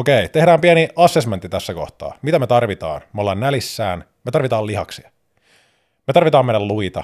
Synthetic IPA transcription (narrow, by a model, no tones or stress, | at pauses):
okejt̪e̞hdæːmpieniɑsːesmænt̪ːit̪æsːæko̞̰ht̪ɑ̰ːmit̪æmet̪ɑrʋit̪ɑ̰ːnmeolːɑːnːælisːæːn | met̪ɑrʋit̪ɑːliɦɑ̰ksiɑ | me̞t̪ɑrʋit̪ɑːmeilːælluit̪ɑ̰